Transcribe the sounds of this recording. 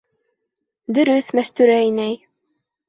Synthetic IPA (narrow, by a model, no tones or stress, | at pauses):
d̪ɵ̆ɾɵθmæst̪ʉɾæinæj